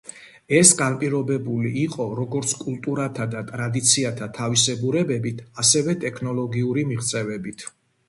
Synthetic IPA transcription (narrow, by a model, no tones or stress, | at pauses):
ɛsɡanpʼiɾɔbɛbuliːqʼɔɾɔɡɔɾt̪sʰkʼulˠt̪ʼuɾat̪ʰad̪at̪ʼɾad̪it̪sʰiat̪ʰat̪ʰavisɛbuɾɛbɛbit̪ʰasɛvɛt̪ʼɛkʰnɔlˠɔɡiuɾimiʁt̪sʼɛvɛbit̪ʰ